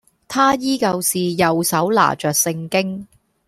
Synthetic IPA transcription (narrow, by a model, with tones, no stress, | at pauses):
t̪ʰaː˥jiː˥kɐ˧wsiː˨jɐ˨wsɐ˨˥wla̰ː˨˩t͡ʃœː˨k̚sɪ˧ŋkɪ˥ŋ